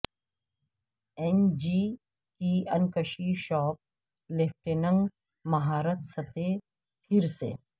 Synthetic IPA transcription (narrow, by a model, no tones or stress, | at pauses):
ɛnd͡ʒi | kiɐnkəʃiʃɔːp̚ | leːp̚ʰʈeːnə̃ŋɡ | mɐɦaːɾət̪sɐt̪e | pʰɪɾsḛː